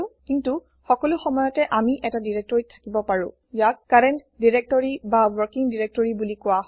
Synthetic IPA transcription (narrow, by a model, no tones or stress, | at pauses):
ʊ̃kintu | xɔkɔlʊxɔmɔjɔtɛʔamiʔɛtadiɹɛk̚tɔɹitʰakibɔpaɹʊ̃ | jakkaɹɛnt | diɹɛk̚tɔɹibawɔɹkiŋdiɹek̚tɔɹibulikʊwaɦ